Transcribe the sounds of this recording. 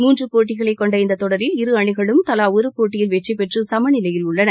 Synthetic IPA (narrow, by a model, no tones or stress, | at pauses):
muːndrɯpoːʈːɪɣɐɭɐɪkːɔɳɖɐɪnd̪ɐt̪ɔɽɐɾɪlɪɾɯɐɳɪɣɐɭɯmt̪ɐlaːʊɾɯpoːʈːɪjɪlʋɛʈripɛʈrɯsɐmɐnɪlɐjɪlʊɭːɐnɐ